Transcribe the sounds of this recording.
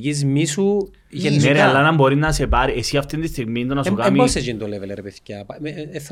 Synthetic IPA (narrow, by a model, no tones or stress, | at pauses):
cizmisu | ʝeneɾealːanamboɾinːɐsepaɾiesiaft̪end̪ist̪iɣmind̪onasukamibosed͡ʒind̪oleveleɾpeθcɐpːθ